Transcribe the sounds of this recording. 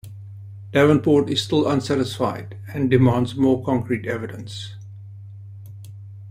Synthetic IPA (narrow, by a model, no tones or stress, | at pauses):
d̥ævə̃npʰɔːtɪz̥stɪlə̃nsæɾɪsfaɪd | æ̃ndɪmɑ̃ndzmɔːkʰɔ̃ŋkʰɹitɛvɪdə̃ns